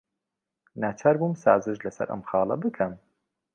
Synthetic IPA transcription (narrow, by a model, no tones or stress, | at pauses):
naːt͡ʃʰaːɾbuːmsa̰ːzɨʃlɐsɐ̰ɾʔɐ̰mxɑːlˠɐ̰bɨkʰɐm